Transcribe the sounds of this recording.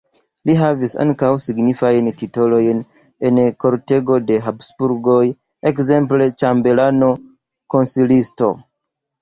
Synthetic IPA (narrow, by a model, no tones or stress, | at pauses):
liɦavisa̰ŋkawsiɡnifajntito̞lo̞jn | e̞nko̞ɾte̞ɡo̞de̞ɦapsbuɾɡo̞j | ekze̞mple̞t͡ʃambe̞lano̞ | ko̞nsilisto̞̰